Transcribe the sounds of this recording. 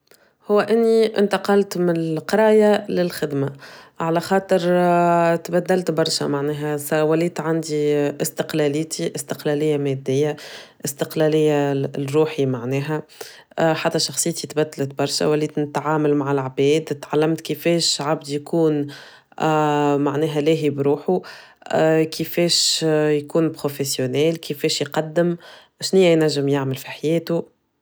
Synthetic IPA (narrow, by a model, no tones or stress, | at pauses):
hʊwːæʔɪnːiʔɪ̰nt̪ɑqɑlt̪mɪnlqɑɾˤɑːjalɪlxɪd̪maʕalæxɑːt̪ˤəɾ | t̪bæd̪ːælt̪bɑɾˤʃæ̰maʕnɛːɦæsæwæliːt̪ʕand̪iʔɪst̪ɪqlælɪt̪ʰiʔɪst̪ɪqlælɪjːamɛd̪ːɪjːaʔɪst̪ɪqlælɪjːarɾuːħimaʕnɛːɦæ | ħat̪ːæʃɑxsˤɨjːt̪it̪bæd̪ːlət̪̚bɑɾˤʃæ̰wæliːt̪nɪt̪ʕaːmalmaʕɪlʕbɛːd̪t̪ʕalːæmt̪kəfɛːʃʕab̚d̪jkuːn | maʕnɛːɦælɛːɦibɾuːħu | kəfɛːʃjkuːnpɾofesjonɛːlkəfɛːʃjqɑd̪ːəm | ʃnɪjːæjnæʒːəmjaʕməlfiħajɛːt̪u